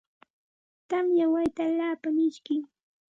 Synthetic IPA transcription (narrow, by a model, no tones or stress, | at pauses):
t̪amjawajt̪aːlaːpamɪʃkɪj